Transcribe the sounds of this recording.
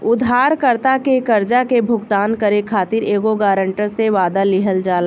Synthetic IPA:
ʊd̪ʱaːɾkəɾt̪akekɐɾd͡ʒakebʱʊɡt̪aːnkəɾekʰaːt̪ɪɾeːɡoɡaːɾə̃ɳʈəɾseʋaːd̪alɪɦəld͡ʒaːla

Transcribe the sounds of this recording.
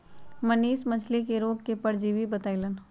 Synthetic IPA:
mɐniːʃmɐt͡ʃʰlek̬eɾoːɡkepɐɾd͡ʒiʋibɐt̪ailən

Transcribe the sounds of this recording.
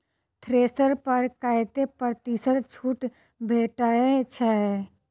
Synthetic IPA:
t̪ʰɾeːsəɾpəɾkajt̪epəɾt̪isəɾt͡ʃʰuːʈ | bʱeʈaet͡ʃʰɛ

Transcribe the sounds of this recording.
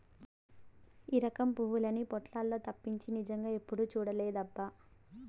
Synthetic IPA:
iːɾɐkɐmpuːwulɐnipɔʈlaːlːo̞ːt̪ɐpːiɲt͡ʃinid͡ʒɐŋɡaːe̞pːuɽuːt͡ʃuːɽɐleːd̪ɐbːa

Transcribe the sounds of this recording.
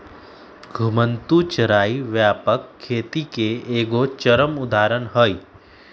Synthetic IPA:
ɡʱʊmə̃nt̪ut͡ʃəɾaːiʋjaːpəkʰːeːt̪ikeeːɡot͡ʃəɾəmʊd̪ʱaːɾənɦəi

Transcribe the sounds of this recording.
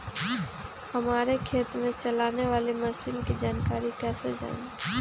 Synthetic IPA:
həmaːɾekʰeːt̪mẽt͡ʃəlaːneʋaːleməsilkid͡ʒaːnkaːɾikɛːsḛd͡ʒa̰ːn

